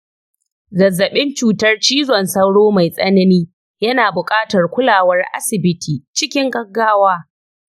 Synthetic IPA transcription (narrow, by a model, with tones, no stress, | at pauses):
zɐ˨zːɐ˨ɓɪ˦nt͡ʃuː˨tɐ˦rt͡ʃiː˦zɔ˨nsɐ˦wɽoː˦ma˨jsʼɐ˦nɐ˦niː˦ | jɐ˦naː˨bʊ˨kʼaː˦tɐ˨rkʷʊ˦laː˨wɐ˦rʔa̰˦sɪ˨bɪ˦tʰiː˨t͡ʃɪ˦kʲɪ˦ŋɡɐ˦ɡːaː˦waː˦